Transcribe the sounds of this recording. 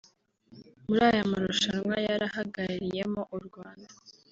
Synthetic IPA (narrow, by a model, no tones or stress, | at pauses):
muɾaːjamaɾoʃanŋwajaɾahaɡaɾaɾije̞mo̞ʔuɾɡwaːnda